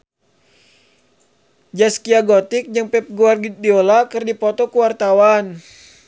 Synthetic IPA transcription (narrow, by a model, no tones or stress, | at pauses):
d͡ʒaskiaɡot̪ik̚d͡ʒɨŋpɛp̚ɡuarɡidiolakɨrdipɔt̪ɔkuwart̪awan